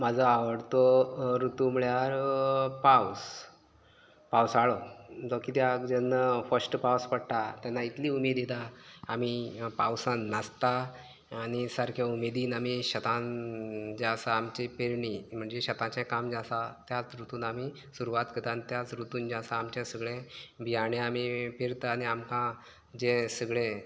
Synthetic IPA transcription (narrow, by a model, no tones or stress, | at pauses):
mad͡zʱəaʋəɽt̪oɾut̪umiɭjaɾpaws | pawsaɭobəkit̪jakd͡ʑɛnːəfəsʈpawspəɽʈ̪at̪janːait̪liːumed̪id̪aːm̤ipawsãnːəst̪a | añisaɾkʰjaumed̪iːnamiɕət̪ã | d͡ʑasaːmt͡ɕepeɾɳim̤əɳd͡ʑeɕət̪ãt͡ɕẽkamd͡ʑasat̪jat͡sɾut̪uːnami | suɾuʋat̪kət̪ãnt̪jat͡sɾut̪uːnd͡ʑasaːmt͡ɕãsəɡɭẽbʱiaɽ̃ẽam̤ipeɾt̪aaniamkã | d͡ʑẽsəɡɭẽ